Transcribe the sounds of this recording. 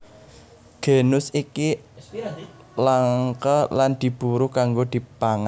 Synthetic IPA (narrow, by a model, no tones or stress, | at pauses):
ɡ̥e̤nʊsiki | laŋŋkəland̪̥i̤b̥uɾʊkaŋɡod̪̥i̤paŋa